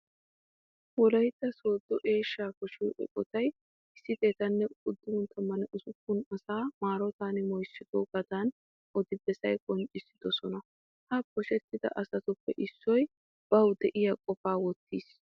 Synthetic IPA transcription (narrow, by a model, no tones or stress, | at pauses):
wɔlɐjt̪ːɐso̞ːd̪ːɔʔe̞ːʃːaːkɔʃiːʔɔ̰ʔʼɔt̪ɐj | ɪsːɪt̪ʼe̞ːt̪ɐnːɛʊd̪ːɪhʊnt̪ʰːɐmɐnɛʔʊsʊkːʊnɐsaːmaːɾɔt̪aːnɪmɔjsːɪd̪oːɡɐd̪aːn | ʔɔd̪ɪbɛsɐjkʼɔnt͡ʃʼːɪsːɪ̥d̪̥ɔsɔnɐ | hɐpːɔʃɛt̪ːɪd̪ɐ̰ʔɐsɐt̪ʊpːɛ̰ʔɪsːɔj | b̥ɐwd̪ɛʔɪjɐkʼɔfaːwɔt̪ːiːs